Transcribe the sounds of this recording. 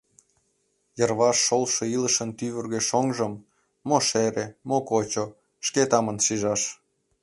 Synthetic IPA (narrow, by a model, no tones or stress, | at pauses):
jərβɑʃːolʃĕiləʃənt̪yβərɣeʃoŋʒəmː | oʃeɾemokot͡ɕo | ʃket̪ɑmənʃiʒɑʃ